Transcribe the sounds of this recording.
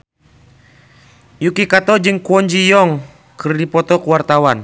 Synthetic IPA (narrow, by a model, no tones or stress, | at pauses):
jukikat̪ɔd͡ʒɨŋkuɔɲd͡ʒijɔŋ | kɨrdipɔt̪ɔkuwart̪awan